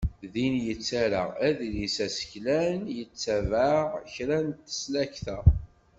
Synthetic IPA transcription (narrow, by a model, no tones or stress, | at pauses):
ðinjət͡sːæɾaæðilisæsə̥çlænjət͡sːævaʁçɾænt̪ːə̥slæçθæ